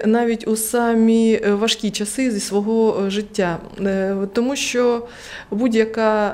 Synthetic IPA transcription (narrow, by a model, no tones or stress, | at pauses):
nɑʋʲitʲusɑmʲiʋɐʃkʲit͡ʃɐsɪzʲisʋɔɦɔʒɪtʲːa | t̪ɔmuʃt͡ʃɔ | budʲjɐkɑ